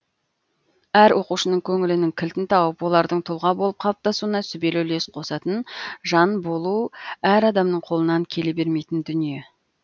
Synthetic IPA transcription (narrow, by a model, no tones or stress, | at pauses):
æɾwo̞quʃənəɴkʲʰɵŋɪlɪnɪŋkʲʰɪlt̪ɪnt̪ʰɑwəpwo̞lˠɑɾd̪əɴt̪ʰʊlˠʁɑbo̞lˠəp̚qʰɑlˠəp̚t̪ʰɑsuənɑsʏbe̞lɵle̞sqʰo̞sɑt̪ənʒɑnbo̞lˠuæɾɑd̪ɑmnəɴqʰo̞lˠənɑŋkʲʰe̞lebe̞ɾme̞jt̪ɪnd̪ʏnije̞